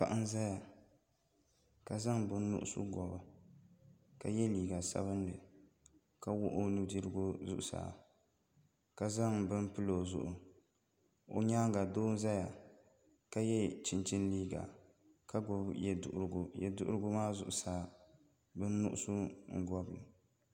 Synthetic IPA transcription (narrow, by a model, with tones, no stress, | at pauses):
pa̰˨ʔa˦n˦za˦ja˨ | ka˨za˦ŋbɨ˦nː˦ʊ̰˦ʔʊ˦sʊ̰˦ɡʷɔ˨b | ka˨jɛ˦liː˨ɡa˨sa̰˦βɨ˦nːɨ˨ | ka˦wʊ˦ʔo˦nu˦di˦ɾɨ˦ɡʊ˦zʊ˦ʔʊ˨sa̰ː˨ | ka˦za˦ŋbɨ˦m˦pɨ˦lo˨zʊ̰˦ʔʊ˨ | o̰˨ɲaː˦ŋ˦ɡa˨doː˦n̩˦za˦ja˨ | ka˦jɛ˦t͡ʃɪ˨nt͡ʃi˦n˦liː˦ɡa̰˨ | ka˦ɡʊ˨bjɛ̰˨ʔɡjɛ̰˨dʊ̰˦ʔʊ̰˦ɾɨ˦ɡʊ˦maː˦zʊ̰˨ʔʊ˨saː˨ | bɨ˦nː˦ʊ̰˦ʔʊ̰˦sʊ˦ŋ̩˨ɡɔ˦blɨ˨